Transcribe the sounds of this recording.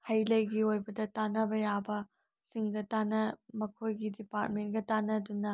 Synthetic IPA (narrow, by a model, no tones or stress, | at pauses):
hɐjlɐjɡiojbɐdɐtanɐbɐjabɐ | siŋɡɐtanɐmɐkʰojɡidipaɾt̚mentɡɐtanɐdunɐ